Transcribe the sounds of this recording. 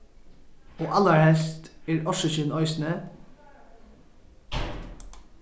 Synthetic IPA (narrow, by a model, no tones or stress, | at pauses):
oːʔɑləɹhɛlst̪eːɹɔʃəçɪnɔʏsnə